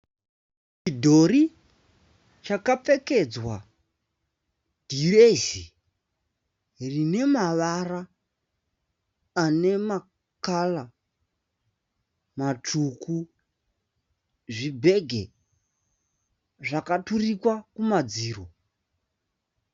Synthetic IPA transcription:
t͡ʃidʱoɾi | t͡ʃakafeke̞d͡zwa | d̥irezi | rine̞maʋara | ne̞ma | kala | matʰuku | ʐibʱeɡʱe | ʐakaturikwakumad͡ziːro

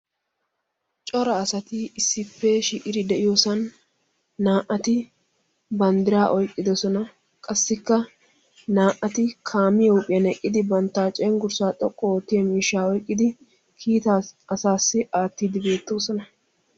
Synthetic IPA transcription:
t͡ʃʼɔɾɐːsɐt̪ɪɪsːɪpːɛʃiːʔɪɾɪd̪ɛʔɪjoːsɐnː | aːʔɐt̪ɪ | bɐnd̪ɪɾaːʔɔjkʼːɪd̪ɔsɔnɐ | kʼɐsːɪkːɐ | naːʔɐt̪ɪkʰaːmɪjɐʊpʼɪjɐnɛkʼːɪd̪ɪbɐnt̪ːaːt͡ʃʼɛːŋɡʊɾsaːt̪ʼɔkʼːɔot̪ːɪjɐmiːʃːaːɔjkʼːɪd̪ɪ | kʰiːt̪aɐsaːsːɪʔaːt̪ːiːd̪ɪbe̞ːt̪ːo̞ːsɔnɐ

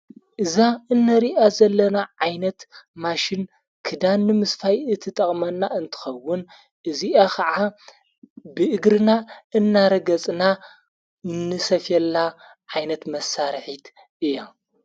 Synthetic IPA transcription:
ʔɨzaɨnːɐɾiʔazɐlːɐnaʕajnɐt̪maʃin | kʰɨd̪anːɨmɨsfajɨt̪ʰːɨt̪ʼɐχʼmɐnːaɨnt̪ʰɨ̥xɐwːʊn | ʔɨziʔakʰɐʕa | bɨʔɨɡɾɨnaɨnːaɾɐɡɐt͡sʼna | ɨnːɨsɐfjɛlːa | ʕajnɐt̪mɐsaɾħit̪ | ʔɨjːa

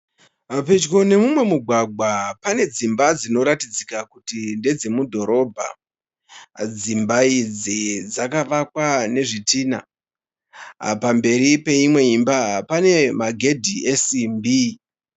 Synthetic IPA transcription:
mape̞d͡ʒɡo̞ne̞mumwe̞muɡʱwaɡʱwapane̞d͡zimbad͡zino̞ɾatid͡zikakutinde̞d͡ze̞mudʱo̞ɾo̞bʱa̰ | d͡zimbaid͡zid͡zakaʋakwane̞ʐitiːna̰ | pambe̞ɾipe̞imwe̞imbapane̞maɡʱe̞dʱiʔe̞simbi

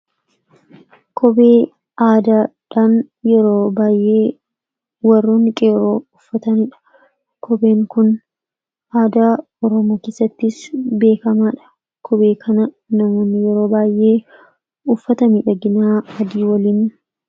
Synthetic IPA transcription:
kʰɔbeː | ʔaːd̪aːᶑaːn | jɛɾoːbaːjʔe̞ː | wɐrːoːnɪkʼejɛɾo̞ːʊfːɐt̪ɐnɪᶑɐ̥ | kʰɔbe̞ːŋkʊn | aːd̪aː | ɔɾɔmoːke̞ːsːɐt̪ːɪsbe̞ːkɐmaːᶑɐ̥ | kʰɔbe̞ːkʰɐnɐ | nɐmoːnːɪjɛɾo̞ːbaːjʔe̞ː | ʊfːɐt̪ɐmiːᶑɐɡɪnaːɐd̪iːwɐliːn

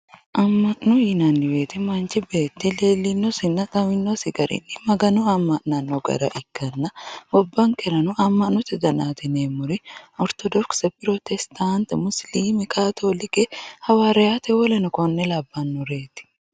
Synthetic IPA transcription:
ʔɐmːɐʔnɔjɪnanːɪweːt̪ɪmɐnt͡ʃɪbe̞ːt̪ːɪleːlːɪnːɔsɪnːɐt̪ʼɐmɪnːosɪɡɐɾʔɪ̰nːɪmɐɡɐnuɐmːɐʔnɐnːɔɡɐ̰ɾɐ̰ʔɪkːɐnːɐbɔbːɐŋkɛɾɐnʊʔɐmːɐʔnːɔt̪ɪd̪ɐnaːt̪ɪneːmʊɾɪʔɔɾt̪ɔd̪ɔɾksɛpʼɪɾɔt̪ɛst̪aːnt̪ɛmʊsliːmɪkaːt̪ʰolɪkɛhɐwaɾɛjaːt̪ɛwɔlɛnɔkɔnːɛlabːɐnːʊɾeːt̪ɪ̥

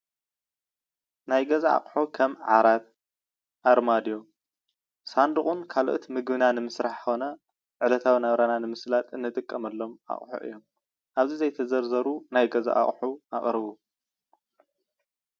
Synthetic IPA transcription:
najɡɐzaʔa̰χʼħukʰɐmʕaɾat̪̚ | ʔaɾmad̪jo̞ | sand̪uχʼunkʰaloʔot̪mɨɡbɨnanɨmɨsɾaħxonɐ | ʕɨlɐt̪ʰawinaβɾananɨmɨslat̪ʼɨnːɨt̪ʼɨkʼːɐmɐlːo̞ma̰χʼħṵʔɨ̰jːo̞m | ʔaβzizɐjt̪ʰɐzɐɾzɐɾunajɡɐza̰ʔa̰χʼħua̰χʼɾɨβu

